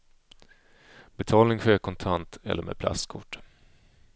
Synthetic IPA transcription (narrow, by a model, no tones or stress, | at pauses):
bɛt̪ʰɑːlnɪŋɧeːkʰɔnt̪ʰant̪ɛ̰lːəɾmʔḛd̪̚pʰla̰st̪kʰʊʈː